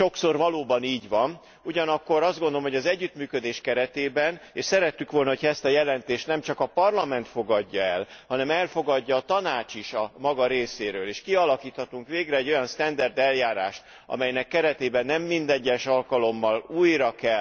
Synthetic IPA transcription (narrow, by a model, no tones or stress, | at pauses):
ʃo̞kso̞rvɒloːbɒniːɟʋɒn | uɟɒnɒkːo̞ɾɒzd̪ɡond̪oomɦoɟɒzɛɟːyt̪myːkød̪eːʃkɛɾɛt̪eːbɛneʃsɛɾɛt̪ːykʋo̞lnɒɦo̞cʰɒɛst̪ɒjɛlɛnt̪eːʃt̪nɛmt͡ʃɒkɒpɒrlɒmɛnt̪foɡɒɟːɒɛlhɒnɛmɛlfo̞ɡɒɟːɒːt̪ɒnaːt͡ʃiʃɒmɒɡɒɾeːseːɾøːleːʃkiɒlɒkiːt̪hɒt̪uŋkʋeːɡrɛɛɟːo̞jɒnst̪ɛnd̪ɛrd̪ɛljaːɾaːʃt̪ | ɒ̰mɛjnɛkːɛɾɛt̪eːbɛnːɛmːind̪ɛɲːɛʃɒlkɒlo̞mːɒluːjɾɒkɛl